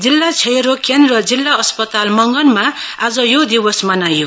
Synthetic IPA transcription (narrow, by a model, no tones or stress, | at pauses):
d͡zilːat͡sʰeɾokend̪rʌd͡zilːaʌspʌt̪almʌŋɡʌnmaad͡zʌjod̪ibʌsmʌnajo